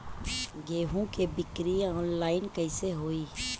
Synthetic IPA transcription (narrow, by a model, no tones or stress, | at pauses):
ɡeːɦũkebɪkɾiɔːnlaːɪnkəɪseɦoːiː